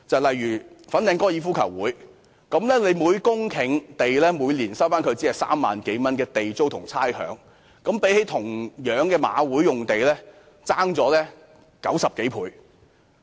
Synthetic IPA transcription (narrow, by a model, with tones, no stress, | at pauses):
t͡sɐ˨wlɐ˨jɥyː˨˩fɐ˨˥nːɪ˨˧ŋkɔː˥jiː˨˧fuː˥kʰɐ̰˨˩wuː˨˥j | kɐ˨˧˥mlɛː˥le˨˧jmuː˨˧jkʊ˥ŋkʰɪ˨˩ŋt̪e˨jlɛː˥muː˨˧jliː˨˩nsɐ˥wfaː˥nkʰɵ˧ɥt͡siː˨˥ɐ˨wsa̰ː˥mːa̰ː˨nke˨˥jmɐ˥nkɛː˧t̪e˨jt͡so˥wt̪ʰʊ˨˩ŋt͡sʰaː˥jhœ̰ː˨˥ŋ | kɐ˨˥mpe˨˥jhe˨˥jt̪ʰʊ˨˩ŋjœː˨˥ŋkɛː˧ma̰ː˨˧wuː˨˥jːʊ˨ŋt̪e˨jlɛː˥ | t͡saː˥ŋt͡sɔː˨˥lɛː˥ | kɐ˨˥wsɐ˨p̚ke˨˥jpʰṵː˨˧˥j